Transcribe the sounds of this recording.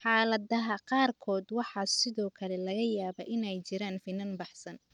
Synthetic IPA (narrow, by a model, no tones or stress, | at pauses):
ħɑːlɐðɐɦɐqɑːrkʰɔːd̪wɑħɑːsɪðɔːkʰɐlɛlɐɣɐjaːβɐʔɪnɛjt͡ʃɪɾaːnfɪnɐnbɑħsɐn